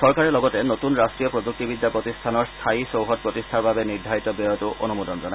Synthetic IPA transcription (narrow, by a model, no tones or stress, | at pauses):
sɔɹkaɹɛlɔɡɔtɛnotunɹastɹijɔpɹoduk̚tibid̪ːapɹotistʰanɔɹst̪ʰaisowɦɔt̚pɹotistʰaɹbabɛniɹdʱait̪ɔbɔjɔtʊʔo̰numudɔnzɔna